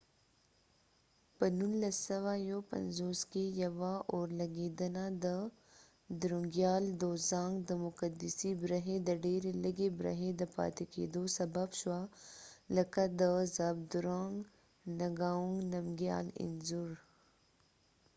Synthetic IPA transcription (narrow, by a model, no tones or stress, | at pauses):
pɐnunlɐsɐʋaːjoːpɐ̰nzoːskejɐʋaʔɔːɾlɐɡiːd̪ɐnad̪ə | d̪ɾũŋɡjaːld̪oːzãːŋɡd̪əmʊkɐd̪isibɾɐɦed̪ɐɖeːɾelɐɡebɾɐ̰ɦẽd̪ɐpa̰ːt̪ikḛːd̪oːsɐbɐbʃwalɐkad̪əzaːb̚d̪uɾaːŋɡ | nɐɡaːũŋɡnɐmɡja̰ːlɪ̰nzuɾ